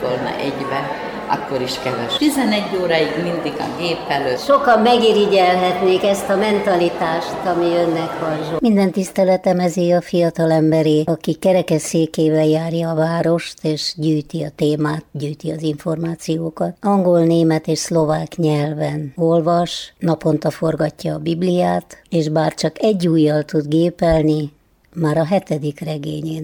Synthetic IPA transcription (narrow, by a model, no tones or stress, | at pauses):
olnɑ̰ʔɛɟbɛ | ɒ̰kːo̞ɾiʃkɛvɛʃt̪izɛnɛɟːoːɾaiɡmind̪iɡɒ̰ɡeːpːɛløːt̪ʃokɒmːɛɡiɾiɟɛlɦɛt̪neːkɛst̪ɒmɛnt̪ɒlit̪aːʃt̪ɒmiønːɛkʋɒnʒomind̪ɛnt̪ist̪ɛlɛt̪ɛmɛziɒfijɒt̪ɒlɛmbɛɾeːɒkikɛɾɛkɛseːkeːvɛljaːrjɒːvaːɾo̞ʃt̪eːʃɟyːjt̪iɒt̪eːmaːt̪ɟyːjt̪iɒziɱfo̞rmaːt̪sijoːkɒt̪ɒŋɡo̞lneːmɛt̪eːʃslo̞vaːkɲɛlvɛno̞lvɒʃnɒpo̞nt̪ɒfo̞rɡɒcːɒːbiblijaːt̪eːʃbaːrt͡ʃɒkɛɟːuːjːɒlt̪ud̪ɡeːpɛlni | maːɾɒɦɛt̪ɛd̪ikrɛɡḛːɲeːn